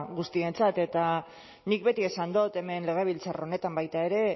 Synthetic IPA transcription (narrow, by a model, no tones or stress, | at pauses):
ɣust̪ie̞nt͡sat̪e̞t̪a | nik̚be̞t̪ie̞sand̪ot̪e̞me̞nle̞ɣ̞e̞β̞ilt͡saro̞ne̞t̪ambajt̪ae̞ɾe̞